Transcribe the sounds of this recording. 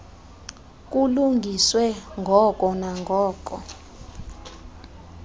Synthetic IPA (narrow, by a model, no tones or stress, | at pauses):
k̬ʼuluŋɡʱiswɛŋɡʱɔkʼɔnaŋɡʱɔːk̬ʼɔ